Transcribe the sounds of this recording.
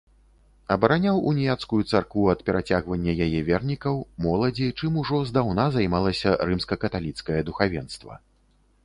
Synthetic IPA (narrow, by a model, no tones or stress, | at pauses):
ɐbɐɾanʲawunʲijat̪skujut̪sarkvuɐt̪pʲɛɾat͡sʲaɣvɐnʲːɐjajɛvʲɛrnʲikɐwmɔlˠɐd͡zʲit͡ʂɨmuʐɔzd̪awnazajmalˠɐsʲɐɾɨmskɐkɐt̪alʲit̪skɐjɐd̪uxavʲɛnst̪vɐ̰